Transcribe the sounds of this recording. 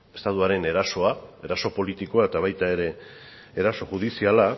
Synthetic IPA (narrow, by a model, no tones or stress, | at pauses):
e̞st̪at̪uaɾe̞ne̞ɾaso̞ae̞ɾaso̞po̞lit̪iko̞aet̪aβajt̪ae̞ɾe̞ː | ɾaso̞ʝuðisiala